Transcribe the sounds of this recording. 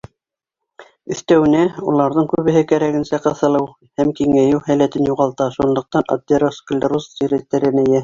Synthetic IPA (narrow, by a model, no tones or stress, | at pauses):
ɵ̆θt̪æwɘ̆næulˠɑɾðɤɴkʉβɘ̆ɦɘkæɾæɡɘ̆nsæqɤ̆θɤ̆lˠɤw | hæmkiŋæjɘwhælæt̪ɘnjuʁɑlˠt̪ɑʃunlˠɤ̆q̚t̪ɑno̰d̪ʲeɾosk̆lʲɾusziɾɘt̪ːæɾɘ̆nɘ̆jæ